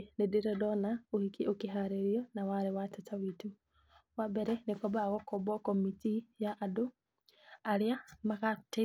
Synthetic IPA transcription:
nedeɾɛdɔnaohikiʔokiɦaɾeɾjɔnawaɾewatatawitu | wabɛɾɛnekɔbaɣɔkɔbɔkɔmitijaʔːdo | aɾeamakate

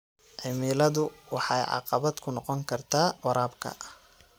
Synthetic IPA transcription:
ʕɪmiːlɐðʊwɑħɑjʕɑ̰qɑβɐd̪kʰʊnɔqɔŋkʰɐrt̪ʰaːwɑɾaːbkʰɐ̰

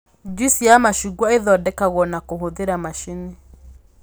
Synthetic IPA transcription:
d͡ʒusiamaʃuɡwaeðɔdɛkaɣwɔnakoɦoðeɾamaʃine

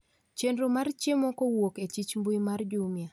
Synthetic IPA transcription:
t͡ʃendɾomart͡ʃjemɔkɔwoket͡ʃit͡ʃmbuimard͡ʒumja

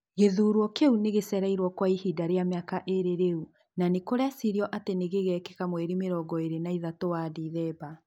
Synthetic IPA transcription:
ɣeðuːɾwɔkeuneɣesɛɾaiɾwɔkwaihidaɾeamjakaʔeɾeɾeu | nanekoɾeasiɾjɔʔateneɣeɣɛkekamwɛɾimeɾɔɡɔeɾenaiðatowadiːðɛːba

